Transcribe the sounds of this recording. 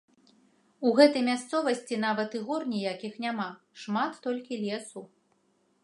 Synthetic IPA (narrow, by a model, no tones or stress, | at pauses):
uɣɛt̪ɐjmʲast̪sɔvɐsʲt͡sʲinavɐt̪ɨɣɔrnʲijakʲixnʲama | ʂmat̪ːɔlʲkʲilʲɛsu